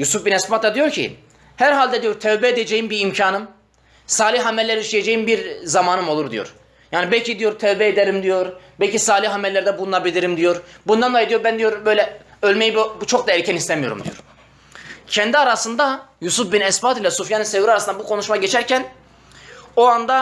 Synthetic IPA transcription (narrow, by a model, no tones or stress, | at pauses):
jusufbinɛspat̪lˠad̪ijo̞ɾcʰḭ | hæɾɦalʲd̪ɛd̪ijo̞ɾt̪ʰɛvbɛed̪ed͡ʒejimbiɾimcʰaːnɯm | saːlʲihɦamɛlʲːɛɾiʃlʲijed͡ʒejimbiɾzamaːnɯmo̞lˠuɾd̪ijo̞̰ɾ | jaːnibɛlʲcid̪ijo̞ɾt̪ʰɛvbɛed̪ɛɾimd̪ijo̞ɾbɛlʲcʰisaːlʲihɦamɛllːʲæɾd̪ɛbulˠunabilʲiɾimd̪ijo̞ɾbund̪anlˠajd̪ijoɾbænd̪ijoɾbø̞jlʲɛ | ølʲme̞jibt͡ʃʰok̚d̪aɛɾcʰɛnist̪ʰɛmijo̞ɾṵmd̪ijo̞̰ɾ | cʰɛnd̪iaɾasɯnd̪ajusufbinɛsbaːt̪ilʲɛsufjanɯnsevɾiaɾasɯnabukʰo̞nuʃmaɟet͡ʃʰæɾcʰæn | oand̪a